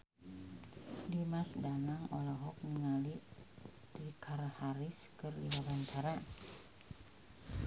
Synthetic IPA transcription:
dimasdanaŋɔlɔɦɔk̚niŋali | dikʰarhaɾiskərliwabant͡ʃaɾa

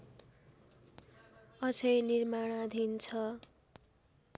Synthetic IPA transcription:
ʌsʌjnirmaɽ̃ad̪ʱint͡sʰʌ

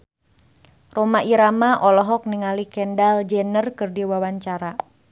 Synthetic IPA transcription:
romaʔiɾamaʔɔlɔɦɔk̚niŋalikɛndald͡ʒɛnərkɨrdiwawaɲt͡ʃaɾa

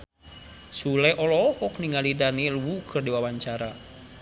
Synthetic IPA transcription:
sulɛʔɔlɔhɔkniŋalidanilwukʰɨrdiwawaɲt͡ʃaɾa

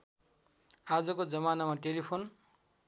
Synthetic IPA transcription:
ad͡zʌkod͡zʌmanamaʈelipʰon

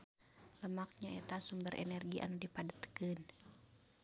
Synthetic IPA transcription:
ləmak̚ɲaɛt̪asumbəɾʔɛ̰nɛrɡiʔa̰nudipadət̪kɨn

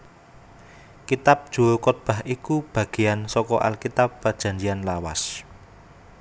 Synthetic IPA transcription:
kit̪ap̚d̥ʒ̥o̤okɔt̪̚b̥a̤ɦʔikub̥ä̤ɡ̥e̤ansɔkɔʔa̰lkit̪apːad̥ʒ̥ä̤ɲd͡ʒianlawa̰s

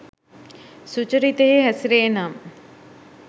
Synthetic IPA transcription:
sut͡ʃɐɾit̪eɦeɦɐsɾeːnam

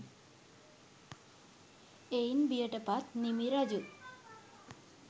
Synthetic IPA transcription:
einbijəʈəpat̪nimiɾad͡ʑu

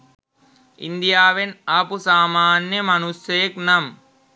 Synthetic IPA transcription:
ḭnd̪ijaːʋenɐpusaːmaːnjɐmɐnusjeːknɐm

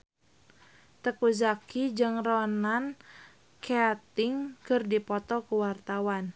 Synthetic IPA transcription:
t̪əkuzakid͡ʒɨŋrɔnan | keat̪ɪŋkɨrdipɔt̪ɔkuwart̪awan

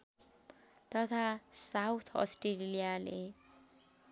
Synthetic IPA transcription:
t̪ʌt̪ʰasawt̪ʰʌ̰sʈrellijale

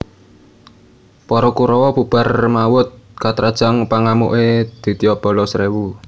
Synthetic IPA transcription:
pɔɾɔkuɾɔwɔb̥ṳb̥a̤rmawʊt̪̚kat̪ɾad̥ʒ̥a̤ŋpaŋamṵʔed̪̥i̤t̪iɔb̥ɔ̤lɔsɾewu

